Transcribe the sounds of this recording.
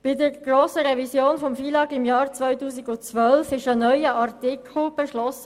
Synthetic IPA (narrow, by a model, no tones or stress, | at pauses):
b̥ɪdəɾɡ̥roːsəɾɛvisjoːnfɔmfiːlɑːɡɪmjɑːɾt͡sʋœʏtuːsɪɡʊnt͡sʋœlfɪʃənœʏəʔɑʁtɪkʰl̩b̥ɛʃlɔsə